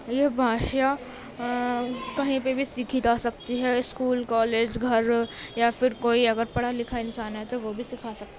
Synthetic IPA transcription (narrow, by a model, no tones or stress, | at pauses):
jeɦbʱaːʃa | kɐɦĩpebʱisiːkʰid͡ʒasɐk̚t̪iɦɛɪskuːlkɔːleːd͡ʒɡʱɐɾjafɪɾkoːiɐɡəɾpɐɽ̤alɪkʰaɪnsaːnɦɛt̪oʋobʱisɪkʰasɐk̚t̪a